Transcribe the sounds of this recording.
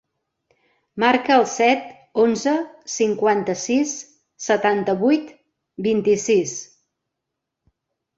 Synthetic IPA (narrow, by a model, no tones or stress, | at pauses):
maɾkəːlˠsɛt̪ | onzəsiŋkwant̪əsisː | ət̪ant̪əβujt̪ | bint̪isis